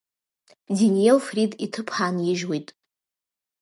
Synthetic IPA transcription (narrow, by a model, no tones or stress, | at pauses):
dinielfriditʰɨpʰħaːnjɪʒwejtʼ